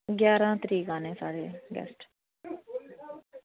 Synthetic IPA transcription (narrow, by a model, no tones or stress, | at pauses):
ɡjaːɾãːt̪əɾiːkãːnẽːsaːɽeːɡɛ̰ːsʈ